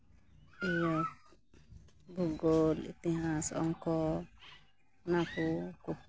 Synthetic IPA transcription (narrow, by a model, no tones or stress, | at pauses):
ija | buɡolḭt̪iɦasɔ̰ŋkɔ | nakuku